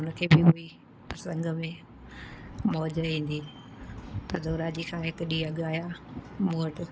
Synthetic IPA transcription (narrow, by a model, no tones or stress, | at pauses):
ʊnəkʰeːbɪɦʊi | pɐsə̃ŋɡəmẽ | mɔːd͡ʑɾɦĩːn̆d̪iː | t̪ɐd̪ʱoːɾaːd͡ʑikʰãːɦɪkɗiːɐɠaːjamuːəʈɪ